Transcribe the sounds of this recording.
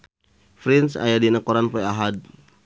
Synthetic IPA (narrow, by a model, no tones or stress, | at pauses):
fɾinsa̰jadinakɔɾanpɔjaɦad̪̚